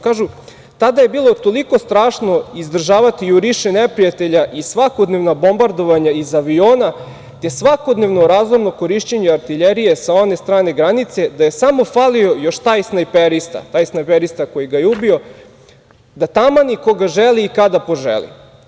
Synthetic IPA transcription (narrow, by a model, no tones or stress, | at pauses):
kaːʒu | t̪ad̪aje̞biːlˠo̞t̪o̞liko̞st̪ɾaːʃno̞izd̪r̩ʒaːʋat̪iuɾiʃenepɾijat̪e̞ʎaʔisʋako̞d̪neʋnabo̞mbaɾd̪o̞ʋaɲaizaʋio̞ːna | t̪e̞sʋako̞d̪ne̞ʋnoɾaːzlˠoɾno̞ko̞ɾiʃt͡ɕeɲeaɾt̪iʎeɾije̞sao̞ne̞st̪ɾaːne̞ɡɾanit̪se̞d̪aje̞samo̞falio̞jo̞ʃt̪ajsnajpeɾist̪a̰t̪ajsnajpeɾist̪ako̞jiɡajeubio̞ | d̪at̪amanikoɡaʒelˠiːkad̪apo̞ʒḛlḭ